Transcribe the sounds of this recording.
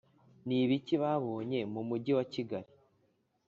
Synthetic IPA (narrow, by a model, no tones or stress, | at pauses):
niβiciβaβoːɲe̞mumuɟiwaciɡaɾi